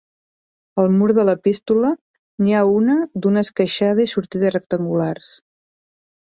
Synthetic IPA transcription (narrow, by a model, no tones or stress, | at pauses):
əlˠmuɾðələpist̪ulə | niaunəd̪unəskəʃað̞əisuɾt̪iðəsrək̚t̪əŋɡulars